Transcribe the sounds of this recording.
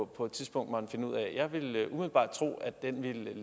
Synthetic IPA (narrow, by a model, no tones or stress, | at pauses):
pʰɒ̽e̝d̥t͡sʰiðˠsb̥ɔ̽ŋ̰d̥mɑnfe̝nəuð̰ˠɛ̰jɑ̈ɪʋe̝lʔumiðˠl̩b̥ɑ̰̈ːd̥̚t͡sʰʁo̝̰ːæd̥enʋil